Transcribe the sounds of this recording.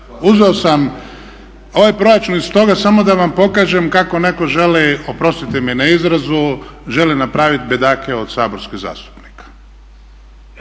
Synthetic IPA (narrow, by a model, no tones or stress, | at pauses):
uzʋeosam | o̞ʋajpɾo̞jat͡ʃunist̪o̞ɡasamo̞d̪aʋampo̞kaːʒe̞mkako̞ne̞ko̞ʒe̞lio̞pɾo̞st̪it̪iminaizɾazuʒe̞linapɾaːʋit̪bed̪aːkeod̪̥saːbo̞ɾskiɣza̰ːst̪u̥pnikḁ